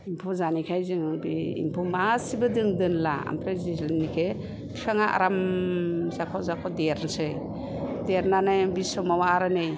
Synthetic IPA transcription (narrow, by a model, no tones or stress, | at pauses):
impʰɔzanikʰajzɯŋbiḭmpʰɔmasibɯdɯŋdɯnla̰a̰mpʰɾezinikʰe | pʰisʰaŋaʔa̰ɾam | zakʰɔzakʰɔdeɾnsɯj | deɾnanajbisɔmawaɾanɯj